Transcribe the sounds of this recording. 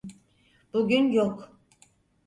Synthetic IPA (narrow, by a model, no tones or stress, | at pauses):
b̥uɡʲynjok